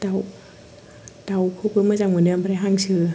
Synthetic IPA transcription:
t̪aw | t̪awkʰup̚ɯːmaːt͡ɕaːk̚munɯəmbaɾaɦaːŋt͡ɕʰɯː

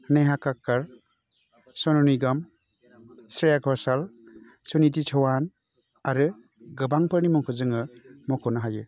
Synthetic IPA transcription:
nejɦakakːaɾ | sɔnɔniɡam | sɾejaɡɔsal | sunit̬it͡ʃʰɯwan | aɾɯ | ɡɯbaŋpʰɯɾnimɔŋkʰɔzɯŋɯmɔkʰɔnaɦajɯ

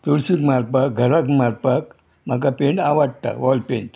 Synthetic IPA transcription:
t̪oɭsikmaɾpak̚ɡʱəɾakmaɾpak | m̤akapeɳɖaʋaɽt̪a̰ʋɔlpeɳʈ

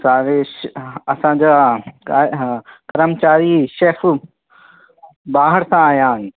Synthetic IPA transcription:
saːʋeʃɐsãd͡ʑaːkakəɾəmt͡ɕaːɾiʃeːf | baːɦəɾsãːɦjãːn

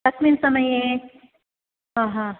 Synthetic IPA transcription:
lɐkʰminsɐməjẽ | ɦãːɦã

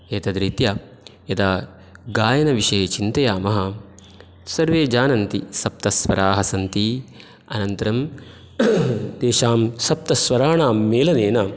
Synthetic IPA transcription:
eːt̪ɐd̪ɾit̪jaː | jɐt̪aː | ɡaːjɐnɐʋiʂɐːt͡ʃint̪ɐjaːmɐɦɐ̆ | sɐɾʋeːd͡ʒaːnɐnt̪isɐp̚t̪ɐsʋɐ̰ɾaːɦɐsɐnt̪i | ɐnɐnt̪ɐɾɐm | d̪eːʃaːmsɐp̚t̪ɐsʋɐɾaːɳaːmːeːlɐneːnɐ

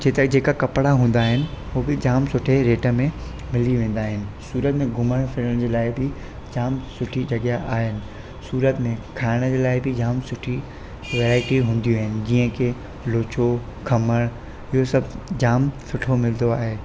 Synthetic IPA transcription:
d͡ʑeːt̪ɐd͡ʑeːkakɐpɽaɦũːn̆d̪aːɦɪnɪ̆ubɪd͡ʑaːmsʊʈʰeɾeːʈəmẽ | mɪliʋẽːn̆d̪aːɦɪnɪ̆suːɾət̪mẽɡʱʊməɽ̃fɪləɽ̃d͡ʑeːlaːɪbɪ | d͡ʑaːmsʊʈʰid͡ʑɐɠjaʔaːɦɪnɪ̆ | suːɾət̪mẽkʰaːɪɽ̃əd͡ʑeːlaːɪbɪd͡ʑaːmsʊʈʰi | ʋeːɾaːɪʈiɦũːn̆d̪iuaːɦɪnɪ̆d͡ʑĩːə̃kʰe | loːt͡ɕo | kʰɐməɽ̃ | ɪɦosɐbʱd͡ʑaːmsʊʈʰomɪld̪oaːɦeː

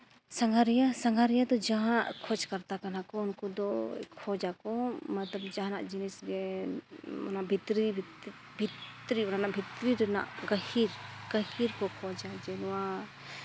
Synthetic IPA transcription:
saŋɡʱaɾijasaŋɡʱaɾijad̪ɔd͡ʒaɦãʔkʰɔd͡ʒkaɾt̪akanakɔɔnkɔd̪ɔkʰɔd͡ʒakɔmat̪ləb̚d͡ʒaɦana̰ʔd͡ʒinɛsɡɛ | ɔ̰naʔbʱit̪ɾib̪ʱ | bʱit̪ɾiɔnanaʔbʱit̪ɾiɾɛna̰ʔɡəhiɾɡ̥əhiɾkɔkʰɔd͡ʒad͡ʒɛnɔwa

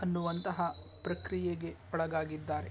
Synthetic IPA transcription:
ɐnːuʋɐnt̪ɐɦɐpɾɐkɾijeɡe̞ | ɔɭɐɡaːɡid̪ːaːɾe

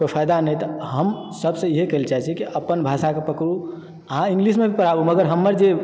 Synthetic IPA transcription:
kopʰajd̪anəjt̪ɔɦəm | səbsə̃iɦekəelt͡ʃaɦɛt͡ʃʰɛkiʔəpːənbʱasakepəkɾu | əɦãĩŋɡlismebʱipəɾabuməɡəɾɦəmːəɾd͡ʒe

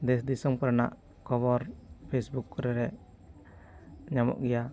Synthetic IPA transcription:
d̪ɛs̬d̪isɔŋpəɾna̰ʔ | kɔβɔɾpʰɛsbukɾɛɾɛ | ɲamɔ̰ʔɡɛja

